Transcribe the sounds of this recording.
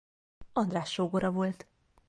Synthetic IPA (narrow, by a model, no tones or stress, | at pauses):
ɒnd̪raːʃːoːɡoɾɒvo̞lt̪